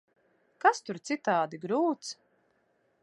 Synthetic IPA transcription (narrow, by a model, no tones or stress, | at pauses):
kast̪uɾt̪sit̪aːd̪iɡɾuːt̪s